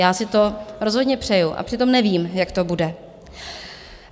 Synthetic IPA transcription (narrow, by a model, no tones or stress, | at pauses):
jaːsɪt̪o̞ɾo̞zɦodɲɛpr̝̥ɛjuʔa̰pr̝̥ɪt̪o̞mnɛviːmjakt̪o̞budɛ